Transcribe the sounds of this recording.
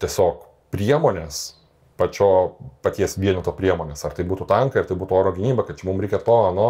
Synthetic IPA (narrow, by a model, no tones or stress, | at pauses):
t̪ʲiɛsʲoːk | pʲɾʲiɛmoːnʲeːs | pɐt͡ʃʲoːpɐt̪ʲiɛsʋʲiɛnʲot̪oːpʲɾʲiɛmoːnʲeːsɐɾrt̪ɐɪbuːt̪ʊt̪ɐŋkɐɪɾt̪ɐɪbuːt̪ʊoːɾoːɡʲɪnʲiːbɐkɐt̚t͡ʃʲɛmumɾʲɛɪkʲɛt̪oːɐnoː